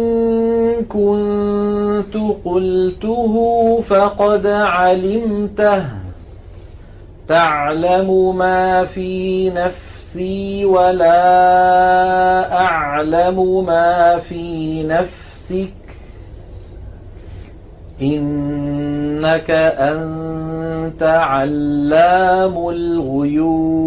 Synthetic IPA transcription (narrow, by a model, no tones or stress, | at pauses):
kʊnn | t̪ʊqʊlt̪ʊɦʊfɑqɑd̪ʕalɪmt̪ah | t̪aʕlamʊmaːfiːnaf | siːwalaː | ʔaʕlamʊmaːfiːnaf | sɪk | ʔɪnː | akaʔann | t̪aʕalːaːmʊlɣʊjuː